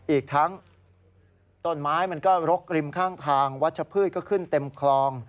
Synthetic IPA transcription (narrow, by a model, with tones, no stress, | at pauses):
ʔiː˨˩k̚t̪ʰa˦˥ŋ | t̪o˥˩nmaː˦˥jma˧nkɔː˥˩ɾo˦˥k̚ɾi˧mkʰaː˥˩ŋt̪ʰaː˧ŋwa˦˥t̪̚t͡ɕʰa˧pʰɯː˥˩t̪̚kɔː˥˩kʰɯ˥˩nt̪e˧mkʰlɔː˧ŋ